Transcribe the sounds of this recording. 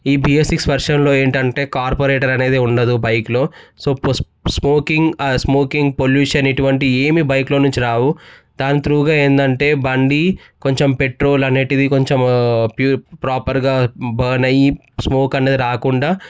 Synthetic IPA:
iːbiːesiksʋɐɾʂɐmlo̞ːe̞ːɳʈɐɳʈe̞ːkaːɾpoɾeːʈɐɾɐne̞ːd̪eːuɳɖɐd̪ubɐjklo̞ːso̞ːp | smoːkiŋɡsmo̞ːkiŋɡpoljuːʂɐneʈuʋɐɳʈieːmiːbɐjklo̞ːnuɲt͡ʃiɾaːwud̪aːnit̪ɾuːɡaːe̞ːnd̪ɐɳʈe̞ːbɐɳɖi | ko̞ɲt͡ʃempeʈɾo̞ːlɐneːʈid̪iko̞ɲt͡ʃempjuːpɾaːpɐɾɡaːbɐːnɐji | smoːkɐne̞ːd̪iɾaːkuɳɖaː

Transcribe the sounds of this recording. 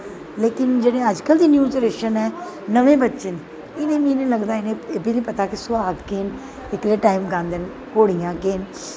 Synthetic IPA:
leːkɪnd͡ʒeːɽẽːəd͡ʒkəld̪iːnjuːd͡ʒəɾeːʃənɛː | nəʋẽːbətːʃen | ɪnẽːmĩːnĩːləɡd̪aːɪnẽːeːbinĩːpət̪aːkɪsʊaːɡkeːn | ɪkleːʈaːɪmɡãːnd̪ən | koːɽijãːkeːn

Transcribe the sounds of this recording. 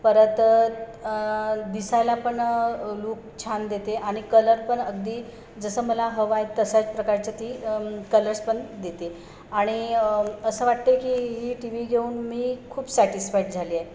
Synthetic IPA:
pəɾət̪ | d̪isalapəɳluːk̚t͡ɕʰand̪et̪eʔaɽ̃ikələɾpəɳəɡd̪iː | d͡zəsəːməlaɦəʋajt̪əsat͡spɾəkaɾt͡ɕət̪iːkələɾspəɳd̪et̪e | aɽ̃iəsəːʋaʈt̪ekiːɦiːʈiʋiɡʱeuːnmiːkʰuːbsɛʈisfaiʈd͡zʱalie

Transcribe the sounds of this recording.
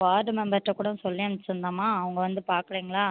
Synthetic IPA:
aːʈɯmɛmbɐɾʈɾɐkːuːɽɐ̃sɔlːɪjɐ̃nsɪnd̪aːmaːɐʋɐŋɡɐʋɐnd̪ɯpaːɾkɽiːŋɡɐɭaː

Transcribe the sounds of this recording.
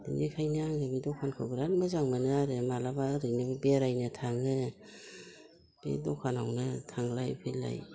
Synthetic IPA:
dɯnikʰajnaaŋɯbidɔkʰankʰɯbɯɾanmɯzaŋmanɯaɾɯmalabaɾɯjnɯbbeɾajnɯtʰaŋɯ | b̥ḛdɔkʰanawnɯtʰaŋlajpʰɯla̰j

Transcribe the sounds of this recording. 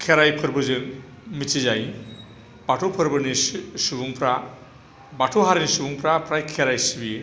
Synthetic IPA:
kʰeɾajpʰɯɾbɯzɯn | mit͡ʃʰizaj | baʈʰopʰɯɾbɯnisubuŋpʰɾa | baʈʰoɦaɾinisubuŋpʰɾapʰɾajkʰeɾajsibie

